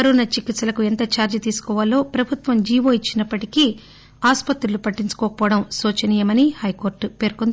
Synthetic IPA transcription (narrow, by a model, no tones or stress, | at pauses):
ɐɾoːnɐt͡ʃikit̪sɐlɐkuent̪ɐt͡ʃaːɾd͡ʒɐt̪iːsu̥kɔːʋalːo̞ːpɾɐbʱut̪ʋɐmd͡ʒiːʋoːit͡ʃːinɐpːɐʈiki | aːspɐt̪ɾulupɐʈːiɲt͡ʃu̥kɔːkɐpɔːɐɽɐmsoːt͡ʃɐniːjɐmɐnihɐjkoːɾʈpe̞ːɾkon